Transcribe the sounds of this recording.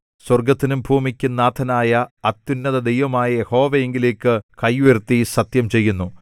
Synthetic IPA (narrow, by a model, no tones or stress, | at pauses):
swɐrɡɐt̪ːinumbʱuːmikʲːunːaːt̪ʰɐnaːjɐːt̪ːunːɐðɐd̪ejʋɐmaːjɐje̞ho̞ːʋɐje̞ŋɡileːkːɨkɐjːuʋert̪ːisɐt̪jɐmt͡ɕe̞jːunːu